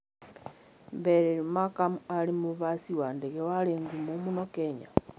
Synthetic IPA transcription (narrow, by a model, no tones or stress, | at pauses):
mbeɾeɾumakamualimuβasiwandeɣewaleŋɡumumunokeɲa̰